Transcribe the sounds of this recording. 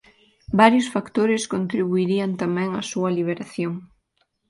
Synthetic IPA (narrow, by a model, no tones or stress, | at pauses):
baɾjʊsfakt̪oɾɪskont̪ɾiβuiɾiɐnt̪amɛ̃ŋɐsuɐliβ̞eɾaθjoŋ